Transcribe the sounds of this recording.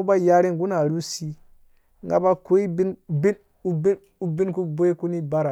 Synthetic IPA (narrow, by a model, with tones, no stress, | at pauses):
u˦ba˦˨ja˦ɾi˦ŋ˨ɡu˦na˨ɾu˦si˦ | ŋɡa̰˦ba˦ko˦i˦bi˦nbi˦n | u˦bi˦n | u˦bi˦nku˦bo˦e˦ku˦ni˦ba˦ɾa˨